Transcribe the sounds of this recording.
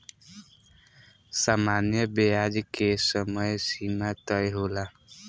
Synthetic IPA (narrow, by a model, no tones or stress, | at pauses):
samanjʌbejad͡ʒkesʌmʌjsimat̪ʌjɦola